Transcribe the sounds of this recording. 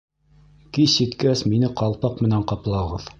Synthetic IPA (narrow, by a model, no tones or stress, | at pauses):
kiit̪kæsminɘqɑlˠpɑqmɘ̆næɴqɑplˠɑʁɤð